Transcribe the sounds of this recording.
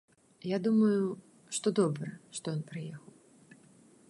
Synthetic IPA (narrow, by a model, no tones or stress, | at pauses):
jad̪umɐju | ʂt̪ɔd̪ɔbɾɐʂt̪ɔjɔnpɾɨjɛxɐw